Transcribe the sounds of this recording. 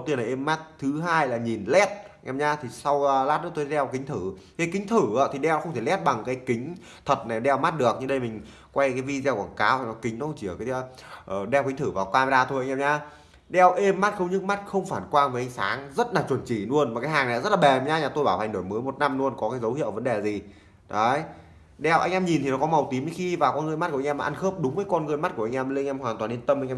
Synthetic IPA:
t̪i˧˩ənla˨˩˨ʔe˧mːa˦˥t̚t̪ʰɨ˨˦ɦaː˧jlaː˨˩ɲi˨˩nlɛ˦˥t̚ŋʔɛː˧mɲaː˧t̪ʰi˨˩sa˧wlaː˦˥t̚nɔ˨˦t̪oː˧˦ɗɛ˧wkï˨˦ŋ̟t̪ʰɨ˧˩ | kaː˨˦jkï˨˦ŋ̟t̪ʰɨ˧˩ə̰˧˥t̪ʰi˨˩ɗɛ˧wxə˧wŋ͡mt̪ʰe˧˩lɛ˦˥t̚ɓa˨˩ŋkaː˨˦jkï˨˦ŋ̟ | t̪ʰə˨˩t̚na˨˩ɗɛ˧wma˦˥t̚ɗɨ˨˩ək̚ɲɨ˧ɗə˧jm˨˩ŋ̟ | kwa˧jkaː˨˦jvi˧zɛ˧wkaː˧˩nkaː˨˦wt̪a˨˩nɔ˨˦kï˨˦ŋ˨˦xə˧ŋ͡mt͡ɕi˧˩ə˨˩kaː˨˦˧ʔəː˨˩ɗɛ˧wki̟˨˦t̪ʰɨ˧˩vaː˨˩wkwaː˧m˧zaː˧t̪ʰo˧jŋ˧ɛː˧ɲaː˧ | ɗɛ˧wʔe˧mːa˦˥t̚xə˧wŋ͡mɲɨ˦˥k̚ma˦˥t̚xə˧wŋ͡mfaː˧˩nkwaː˧nvəː˨˦ʔa˧ŋsaː˨˦ŋzə˦˥t̚laː˨˩t͡ɕwə˨˩nt͡ɕi˧˩lu˧ənma˨˩kaː˨˦jɦaː˨˩ŋna̰˨˧˨zə˦˥t̚laː˨ɓɛ˨˩˨ɲaː˨˦ɲaː˨˩t̪o˧jɓaː˧˩wh̪ʰa˨˩ŋɗo˧˩jməː˨˦jmo˨˩t̚na˧mnu˧ənkɔ˨˦kaː˨˦jzə˨˦whi˧˨əwvə˨˦ɗe˨˩zi˨˩ | ɗə˨˦j | ɗɛ˧˩wʔa̰˧jŋ̟ʔɛː˧mɲi˨˩nt̪i˨˩nɔ˨˦kɔ˨˦ma˨˩wt̪i˨˦mɲɨ˨˧˦xi˧vaː˨˩wkɔ˧nŋɨ˧jma˦˥t̚ku˧˩˨ŋʔmaː˨ʔa˧nxəː˦˥p̚ɗʊ˨˦ŋ͡mvəː˨˦jkɔ˧nɣɨ˧jma˦˥t̚ku˧˩ʔŋ̟ʔɛː˧m˨˧ŋʔɛ˧mhwaː˨˩ŋt̪waː˨˩ni˧nt̪ə˧mʔa˧ŋ̟ʔɛː˧

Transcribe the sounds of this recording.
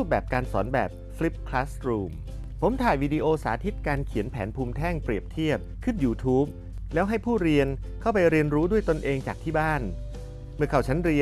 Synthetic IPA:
ɾuː˥˩bɛː˨˩p̚kaː˧nsɔ̰ː˩˦nbɛ̰ː˨˩p̚fli˦˥p̚kʰlaː˦˥sɾuː˧m | pʰo˩˦mt̪ʰaː˨˩jwiː˧di˧ʔoː˧saː˩˦t̪ʰi˦˥t̪̚kaː˧nkʰi˩˦ənpʰɛː˩˦npʰuː˧mt̪ʰɛː˥˩ŋpɾi˨˩əp̚t̪ʰi˥˩əp̚kʰɯ˥˩njuː˧t̪ʰuː˦˥p̚ | lɛː˦˥wɦa˥˩jpʰuː˥˩ɾi˧ən | kʰa˥˩wpa˧jɾi˧ənɾuː˦˥du˥˩əjt̪o˧nʔeː˧ŋt͡ɕaː˨˩k̚t̪ʰiː˥˩baː˥˩n | mɯ˧˩əkʰa˨˩wt͡ɕʰa˦˥nɾi˧

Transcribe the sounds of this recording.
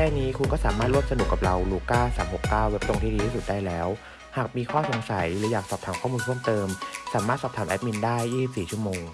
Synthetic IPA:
kʰɛː˥˩niː˦˥kʰu˧nkɔː˥˩saː˩˦maː˥˩t̪̚ɾu˥˩msa˧nu˨˩kːa˨˩p̚ɾa˧wluː˧˩kaː˥˩saː˩˦mho˨˩kːaː˥˩we˦˥p̚lo˧ŋt̪ʰiː˥˧diː˧iː˥˩su˨˩t̪̚daː˥˩jlɛː˦˥w | haː˨˩k̚miː˧kʰɔː˥˩so˩˦ŋsa˩˦jɾɯː˩˦jaː˨˩k̚sɔː˨˩p̚t̪ʰaː˩˦mkʰɔː˥˩muː˧ntʰu˥˩ə˨mt̪ɤː˧msaː˩˦maː˥˩t̪̚sɔː˨˩p̚t̪ʰa˩˦mʔɛ˦˥p̚mi˧ndaː˥˩jːiː˥˩si˨˩p̚siː˨˩t͡ɕʰu˥˩ə˩moː˧ŋ

